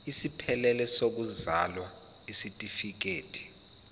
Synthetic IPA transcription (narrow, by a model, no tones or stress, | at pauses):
isipʰɛlɛlɛsok̬uzalwa | isitʼifik̬eːtʰʼi̥